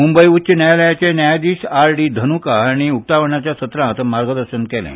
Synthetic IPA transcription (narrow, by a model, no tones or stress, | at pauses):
mumbəjuɕənjajləjat͡ɕenjajad̪iːsaɾɖiːd̪ʱənukaaɽ̃iuk̚t̪aʋəɳat͡ɕjasət̪ɾãt̪maɾɡəd̪əɾɕənkɛlɛ̰̃